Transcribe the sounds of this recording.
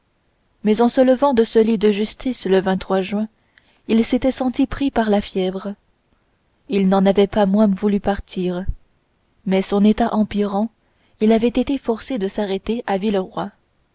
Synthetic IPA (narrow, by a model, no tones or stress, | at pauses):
mɛzɑ̃sələvɑ̃d̪əsəlid̪əʒyst̪ʰisləvɛ̃t̪χwaʒɥɛ̃ | ilset̪ɛsɑ̃t̪ipχipaʁlafjɛvʁ | ilnɑ̃navɛpamwɛ̃vulypaʁt̪ʰiːʁ | mɛsɔ̃net̪aʔɑ̃piʁɑ̃ | ilavɛt̪et̪efɔʁsed̪əsaʁet̪eʔavilʁwa